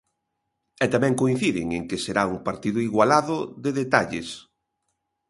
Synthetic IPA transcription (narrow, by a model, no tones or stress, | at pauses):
ɛt̪amɛ̃ŋkoin̟θiðɪŋeŋkeseɾauŋpaɾt̪iðʊiɣwalaðʊðeðet̪aʎɪ̰s